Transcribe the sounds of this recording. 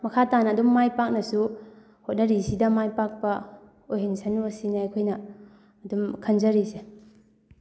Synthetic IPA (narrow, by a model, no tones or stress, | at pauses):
mɐkʰatanɐːdumːajpak̚nɐsu | hot̚nɐɾisidɐmajpak̚pɐ | ojɦinsɐnuɐsinɐːjkʰojnɐː | dumkʰɐnzɐɾise